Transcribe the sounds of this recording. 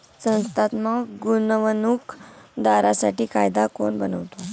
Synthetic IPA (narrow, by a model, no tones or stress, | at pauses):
sə̃w̃st̪at̪maɡunʋənukd̪aɾasaʈiːkajd̪akoɳbənəʋt̪o